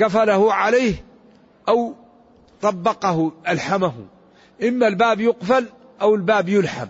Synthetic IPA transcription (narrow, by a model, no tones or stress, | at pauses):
ɡafalahʊʕalajːh | ʔaw | t̪ˤɑbːɑqɑhʊʔalħamaɦʊ̰ | ʔɪmːalbaːbjʊqfal | ʔawɪlbaːbjʊlħa̰m